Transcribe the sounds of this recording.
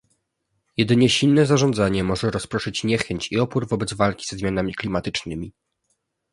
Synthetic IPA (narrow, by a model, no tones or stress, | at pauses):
jɛd̪ɘɲɛɕilnɛzaʐɔnd̪zaɲɛmɔʐɛɾɔspɾɔʂɘt͡ɕɲɛxɛɲt͡ɕiɔpuɾvɔbɛd̪zvalkʲi̥zɛzmʲjan̪amʲiklʲimat̪ɘt͡ʂnɘmʲi